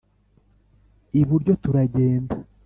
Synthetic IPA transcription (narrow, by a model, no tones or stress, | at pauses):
iβuɾɟo̞tuɾaɟe̞ːnda